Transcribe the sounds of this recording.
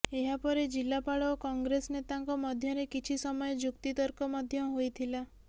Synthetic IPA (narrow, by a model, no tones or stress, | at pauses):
eɦapɔɾed͡ʒilːapaɭɔkɔŋɡɾesnet̪aŋkɔmɔd̪ʱjɔɾekit͡ʃʰisɔmɔjɔd͡ʒukt̪it̪ɔɾkɔmɔd̪ʱjɔɦojt̪ʰila